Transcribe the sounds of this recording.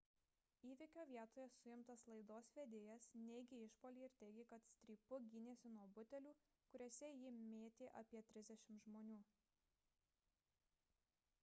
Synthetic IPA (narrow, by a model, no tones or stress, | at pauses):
iːʋʲɪkʲoːʋʲiɛt̪oːjɛsʊjɪmt̪ɐslˠɐɪd̪oːsʋʲed̪ʲeːjɛsnʲɛɪɡʲɪɪʃpoːlʲiːɪɾt̪ʲɛɪɡʲɪkɐt̪sʲt̪ʲɾʲiːpʊɡʲɪnʲeːsʲɪnuɔbʊt̪ʲɛlʲuː | kʊɾʲoːsʲɛjɪmʲeːt̪ʲeːʔɐpʲiɛt̪ʲɾʲɪzd̪ʲɛʃʲɪmt̪ʒmoːnʲuː